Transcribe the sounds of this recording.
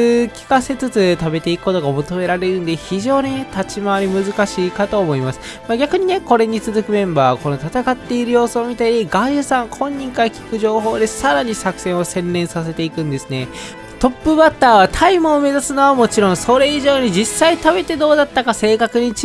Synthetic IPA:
kʲi̥kase̞t͡sɨt͡sɨt̪abe̞t̪e̞ikɯ̥kːo̞t̪o̞ɡamo̞t̪o̞me̞ɾaɾe̞ɾɯ̟̃nd̪e̞çiʑo̞ːɲ̟ine̞t̪at͡ɕimaβaɾʲimɯ̟zɨkaɕiːkat̪o̞ːmo̞imasɨ̥ | maɡʲakɯ̟ɲ̟ine̞ko̞ɾe̞ɲ̟it͡sɨzɨkɯ̟mẽ̞mbaːko̞no̞t̪at̪akat̪ːe̞iɾɯ̟jo̞ːsɨoːmʲit̪aɾʲiɡaʑɯsãŋkʰõ̞ɲ̟ːĩŋkaɾakʲi̥kɯ̟ʑo̞ːɦo̞ːd̪e̞saɾaɲ̟isakɯ̟̥sẽ̞ɰ̃o̞sẽ̞nɾẽ̞ɰ̃sase̞t̪e̞ikɯ̟̃nd̪e̞sɨne̞ | t̪o̞pːɯ̟bat̪ːaːβat̪ʰaimɯome̞zasɨnoβamo̞t͡ɕiɾõɰ̃so̞ɾe̞iʑo̞ːɲ̟id͡ʑisːait̪abe̞t̪e̞d̪o̞ːd̪at̪ːakase̞ːkakɯ̟ɲ̟it͡ɕ

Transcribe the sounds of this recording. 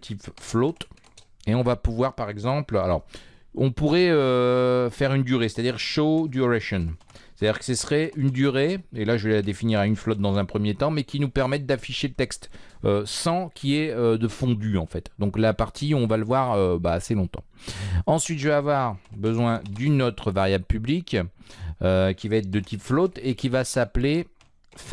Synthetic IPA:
t̪ʰipflot̪ | eɔ̃vapuvwaʁpaʁɛɡzɑ̃plalɔ̰ʁɔ̃puʁɛøfɛʁynd̪yʁese̥t̪ad̪iʁʃod̪yʁaʃɔn | se̥t̪ad̪iːʁkə̥səsəχɛynd̪yʁeelaʒəvelad̪efiniʁaynflɔt̪̚d̪ɑ̃zɛ̃pχəmjet̪ɑ̃mɛkʲinupɛʁmɛt̪̚d̪afiʃelət̪ɛkst̪ | øsɑ̃kʲʰiɛød̪əfɔ̃d̪yɑ̃fɛt̪d̪ɔ̃klapaʁt̪ʰiɔ̃valəvwaʁøbaːselɔ̃t̪ɑ̰̃ɑ̃sɥit̪ʒəveavwaʁbəzwɛ̃d̪ynot̪χəvaʁjabləpyblik | økʲivaɛt̪χd̪ət̪ʰipflɔt̪ekʲivasaple | f

